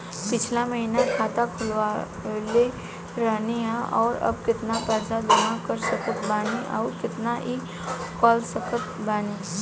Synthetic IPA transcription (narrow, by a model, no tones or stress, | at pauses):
pɪt͡ʃʰlamɐɦinakʰaːt̪akʰʊlʋaː | le | ɾəɦniɦɛ̃ʔɔːɾɐ̰bkɪt̪napəɾd͡ʒad̪ʊmãkəɾsəkət̪baːniʔa̰ːɾkɪt̪naʔi | kɔːlsəkət̪̚baːniː